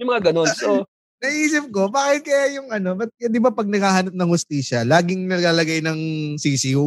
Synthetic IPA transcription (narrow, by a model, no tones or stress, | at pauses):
jʊmɐŋaɡɐnonso | nɐʔiːsɪp̚ko̞baːkɪt̪̚kɐjajʊŋʔɐno̞bɐt̪̚jd̪ɪbapɐɡ̚nɐɡaːhɐnɐp̚nɐŋhʊst̪iːʃɐlaːɡɪŋnɐɡaːlɐɡajnɐŋsiːsi